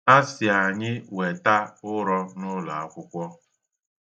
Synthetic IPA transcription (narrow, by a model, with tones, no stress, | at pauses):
a˦sɪ˨a˨ɲɪ˦we˨ta˦ʊ˦ɾɔ˦nʊ˦la̰˨a˦kʷʊ˦kʷɔ˦